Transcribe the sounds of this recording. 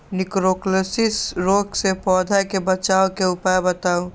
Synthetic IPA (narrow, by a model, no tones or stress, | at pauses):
nɪkɾoklesɪsɾoːksepɔːd̪ʱakebət͡ʃaːokeʊpajebət̪aːo